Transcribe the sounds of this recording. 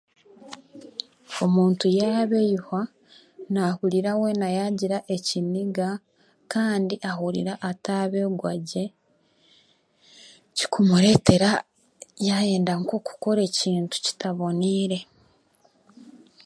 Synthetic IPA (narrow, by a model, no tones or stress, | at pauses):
o̞muːntujaβejha | nahuɾiɾawe̞najaɟiɾaʔe̞ciniɡa | kaːndiʔaɦuɾḭɾaʔataβe̞ɡwaɟe̞ | ci̥kʰumuɾe̞ːte̞ɾa | jaje̞ːndaŋkoku̥ko̞ɾeːciːntu̥ci̥taβo̞niːɾe̞